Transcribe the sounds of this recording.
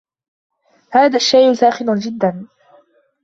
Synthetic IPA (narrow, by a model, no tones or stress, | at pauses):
haːðaʃːajʔsaːxɪnʊnd͡ʒɪd̪ːan